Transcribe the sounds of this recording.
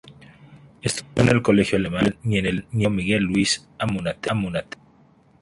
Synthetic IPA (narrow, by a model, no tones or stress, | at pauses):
est̪ujoenelko̞le̞xjoalemannienelnjomiɣelːuis | amunat̪amunat̪e̥